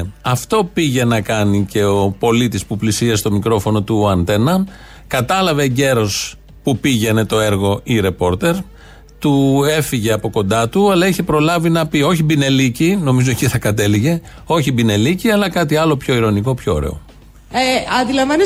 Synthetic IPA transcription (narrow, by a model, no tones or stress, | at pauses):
ɐft̪o̞piʝe̞nɐkɐnice̞opo̞lit̪ispuplisiɐst̪o̞mikɾo̞fo̞no̞t̪uɐnt̪e̞nɐ | kɐt̪ɐlɐveɟe̞ɾo̞s | pupiʝe̞ne̞t̪o̞e̞ɾɣo̞ʔiɾe̞po̞ɾt̪e̞ɾ | t̪ue̞fiʝe̞ɐpo̞ko̞nd̪ɐt̪uɐlɐiçe̞pɾo̞lɐvinɐpio̞çibine̞licino̞mizo̞eciθɐkɐt̪e̞liʝe̞ | o̞çibine̞liciɐlɐkɐt̪iɐlo̞pço̞iɾo̞niko̞pço̞o̰ɾḛo̞̰ | ɐnd̪ilɐɱvɐni